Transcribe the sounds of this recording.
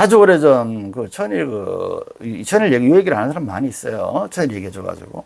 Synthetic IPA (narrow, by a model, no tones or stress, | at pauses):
kad͡ʑuoɾed͡ʑʌnkɯt͡ɕʰʌɲiɾkɯ | it͡ɕʰʌɲiɯɭjeɡijujeɡiɯɭɦanɯnsʰaɾamima̰ɲiːs͈ʌjo̰t͡ɕʰʌɲiɾɭje̞ɡiɦed͡ʑoɡa̰d͡ʑṵɡo̰